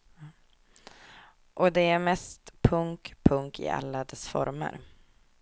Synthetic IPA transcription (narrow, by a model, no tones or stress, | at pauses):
ʔɔd̪ɛæɾmɛst̪pʰɵŋkpʰɵŋkʰɪ̰a̰lːad̪ɛsfɔ̰ɾmə̰ɾ